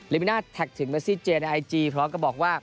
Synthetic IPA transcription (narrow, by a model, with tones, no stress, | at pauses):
liː˦˥mi˧naː˥˩t̪ʰːɛ˨˩k̚t̪ʰɯ˩˦ŋmɛ˦˥siː˥˩t͡ɕeː˧nʔa˧jt͡ɕiː˧pʰɾɔː˦˥mka˨˧˩bɔː˨˩k̚waː˥˩